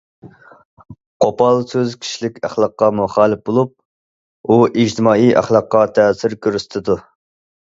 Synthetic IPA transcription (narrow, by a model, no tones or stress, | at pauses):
qʰopɑlˠsøzkʲʰi̥ʃlɪkʲæ̰χlˠɑqːɑmuχɑːlˠɪp̚bolˠup̚ | uʔid͡ʒt̪ʰɪmɑːijʔæ̰χlˠɑqːɑt̪ʰɛːsɪɾkʲøɾyst̪ʰɪd̪u